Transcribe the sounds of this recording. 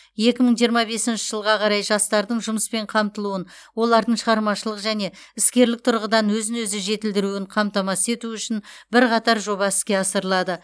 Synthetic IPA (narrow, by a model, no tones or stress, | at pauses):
je̞kʲɪməɴʒijəɾmɑbe̞sɪnʃɪ̥ʒəlˠʁɑqʰɑɾɑjʒɑst̪ɑɾd̪əɴʒʊməspe̞ɴqʰɑmt̪əlˠuənwo̞lˠɑɾd̪əɴʃəʁɑɾmɑʃəlˠəqʒæne̞ɪskʲe̞ɾlɪk̚t̪ʰʊɾʁəd̪ɑnwɵzɪnwɵzɪʒe̞t̪ɪld̪ɪɾuɪɴqʰɑmt̪ɑmɑse̞t̪uʏʃɪnbɪɾqʰɑt̪ɑɾʒo̞βɑɪskʲe̞ɑsəɾlˠɑd̪ə